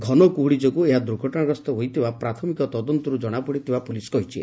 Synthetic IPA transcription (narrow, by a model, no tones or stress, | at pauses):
ɡʱɔnɔkuɦuɽid͡ʒɔkueɦad̪ɾuɡʱɔʈɔɽ̃aɾɔst̪ɔɦojt̪ʰibapɾat̪ʰɔmikɔt̪ɔd̪ɔnt̪ɔɾud͡ʒɔɽ̃apɔɽit̪ʰibapuliskɔɦit͡ʃʰi